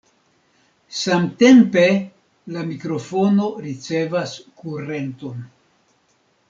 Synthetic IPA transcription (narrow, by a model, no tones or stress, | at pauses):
samte̞mpe̞ | lamikɾo̞fo̞no̞ɾit͡se̞vaskuɾe̞nto̞n